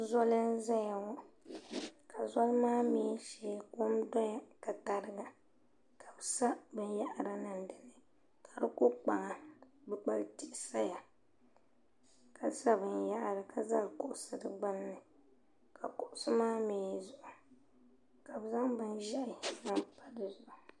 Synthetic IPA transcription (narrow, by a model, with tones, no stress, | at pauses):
zɔ˦lɨ˦n˦za˦ja˨wɔ˦ | ka˨zɔ˦lmaː˦miː˨˦ʃeː˨˦ko˦mdɔ˦ja˨ka˨ta˨ɾɨ˦ɡa˨ | ka˨bsa˦bɨ˦n˦ja˦ʔɾa˨na˨n˨dɨ˨nɨ˨ | ka˨dɨ˦ko˦k͡pa˨ŋa˨ | bɨ˦k͡pa˦ltɪ˦ʔɪ˦sa˦ja˨ | ka˨sa˦bɨ˨nja˦ʔɾɨ˨ka˨za˦˨kʊ˦ʔʊ˨sɨ˨dɨ˨ɡ͡ba˦nːɨ˨ | kʰa˨kʊ˨ʔʊ˦sɨ˦maː˦miː˨˦zʊ˦˨ʔʊ˨ | ka˨bza˦ŋbɨ˦nʒɛ˦ʔɪ˨˦na˦mpa˦dɨ˨zʊ˨ʔʊ˨